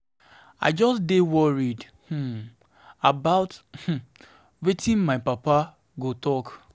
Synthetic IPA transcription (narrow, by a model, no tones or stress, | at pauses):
a̰ɪd͡ʒɔsdewɔɹid | h̩ | abaʊth̩ | wetʰĩnmaɪpapa | ɡotɔk